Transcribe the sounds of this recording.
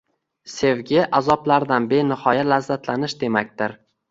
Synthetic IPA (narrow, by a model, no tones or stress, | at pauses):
se̞vɡʲɪʔazɒplaɾd̪anbe̞nɪhɒjalazːat̪lanɪʃd̪e̞makʲt̪ɪɾ